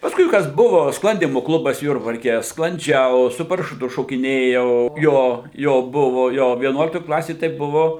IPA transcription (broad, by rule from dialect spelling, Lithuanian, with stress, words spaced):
pɐsˈkʊɪ ˈkɐs ˈbʊʋoː ˈsklˠɐnʲdʲiːmʊ ˈklˠʊbɐs ˈjʊrbɐrʲkʲɛ sklˠɐnʲˈd͡ʒʲɛʊ sʊ pɐrɐʃʊˈtʊ ʃoːkʲɪˈnʲeːjɛʊ ˈjoː ˈjoː ˈbʊʋoː ˈjoː ʋʲiɛˈnuɔlʲɪktoːj ˈklˠɑːsʲeːj tɐɪ ˈbʊʋoː